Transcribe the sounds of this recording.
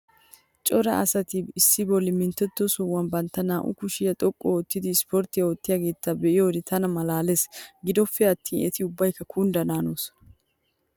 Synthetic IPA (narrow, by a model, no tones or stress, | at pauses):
t͡ʃʼɔɾɐʔɐ̰sɐt̪ɪɪsːɪbɔlːɪmɪnt̪ːɛt̪ːɔsɔwɐnbɐnt̪ːɐnaːʔʊ̰kʊʃɪjɐt̪ʼɔkʼːɔɔt̪ːɪd̪ɪspɔɾt̪ɪjawɔt̪ːɪjaːɡe̞ːt̪ːɐbɛʔɪjoːd̪ɪt̪ʰɐnɐmɐlaːlesɡɪd̪ɔfːɛɐt̪ʰːiːnɛt̪ɪʊbːɐjkːɐkʰund̪ɐnaːnuːs